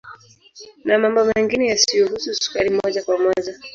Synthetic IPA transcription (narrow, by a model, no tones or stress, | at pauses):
namambɔmɛŋɡinɛjasijɔɦususu̥kaɾimɔʄakwamɔʄa